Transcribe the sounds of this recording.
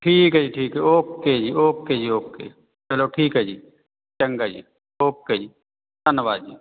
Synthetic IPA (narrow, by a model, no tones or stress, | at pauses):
ʈʰiːkɦd͡ʒiʈʰiːkɦɛoːkːed͡ʒioːkkːed͡ʒioːkkḛi | t͡ʃɐloʈʰiːkɦɛd͡ʒi | t͡ʃə̃ŋɡad͡ʒḭː | oːkkːed͡ʒiː | t̪ɐnʋaːd͡ʒiː